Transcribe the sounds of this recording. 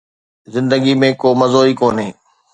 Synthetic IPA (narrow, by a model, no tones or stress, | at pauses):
zɪ̃nd̪əɡimẽkoːmɐzoːiːkoːnɦeː